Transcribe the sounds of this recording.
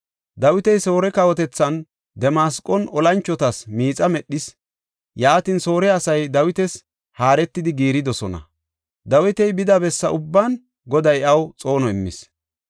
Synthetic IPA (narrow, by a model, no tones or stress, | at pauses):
d̪ɐwɪt̪ɛjso̞ːɾɛkɐwɔt̪ɛt͡sːɐn | d̪ɛmaskʼɔnɔlɐnt͡ʃːɔt̪ɐsmiːt͡sʼɐmɛɗːɪs | jaːt̪ɪnso̞ːɾɛɐsɐjd̪ɐwɪt̪ɛs | haːɾɛt̪ːɪd̪ɪɡiːɾɪd̪ɔsɔnɐ̰ | d̪ɐwɪt̪ɛjbɪd̪ɐbɛsːɐ̰ʔʊbːan | ɡɔd̪ɐjɐwt͡sʼo̞ːnɔɪmːɪ̰s